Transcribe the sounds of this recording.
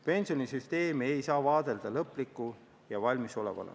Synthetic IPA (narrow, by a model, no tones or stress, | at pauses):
pe̞nsionisyst̪e̞ːmiejsɑːvɑːd̪̥e̞ld̪̥ɑlɤpːlikːˑu | jɑvɑlʲmiso̞lḛvɑ̰lḛ